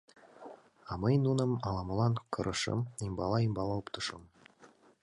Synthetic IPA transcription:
ɑmɤjnunɤmɑlˠɑmɤ̆lˠɑnkʰɤ̆ɾʔɤ̆ʃɤ̰mimbɑlˠɑimbɑlˠɑupt̪ʰɤ̆ʃɤm

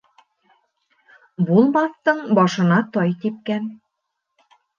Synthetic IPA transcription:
bulˠmɑθt̪ɤɴbɒʃɤ̆nɑt̪ɒjt̪ip̚kæn

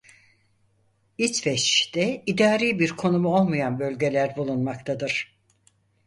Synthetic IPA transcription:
it͡ʃfɛʃd̪ɛid̪aːɾiːbiɾkʰo̞numuo̞lˠmajanbølʲɟe̞lʲæɾbulˠunmak̚t̪ʰad̪ɯɾ̥

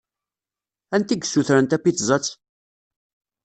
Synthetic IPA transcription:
ænt̪iɡsːuθɾənt̪æpːiθzˤɑt͡sː

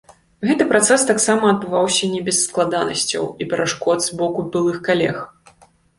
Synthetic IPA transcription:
ɣɛt̪ɨpɾat̪sɛst̪aksamɐɐd̪̚bɨvawsʲɐnʲɛbʲɛsːklˠad̪anɐ̰sʲt͡sʲɐ̰wipʲɛɾʔaʂkɔd̪zbɔkubʲɨlˠɨxkalʲɛ̰x

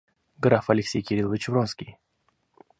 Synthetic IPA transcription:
ɡɾafɐlʲɪksʲejkʲɪɾʲilˠvʲɪt͡ɕɪvɾonskʲij

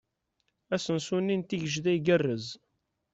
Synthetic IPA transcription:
æsənsunːint̪iʝəʒðæjɡərːəz

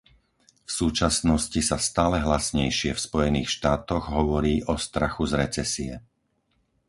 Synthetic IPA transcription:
fsuːt͡ʃasnɔscisast̪aːlɛɦlasɲɛjʃɪɛfspɔjɛniːxʃt̪aːt̪ɔɣɦɔʋɔɾiːʔɔst̪ɾaxuzɾɛt͡sɛsiɛ̰

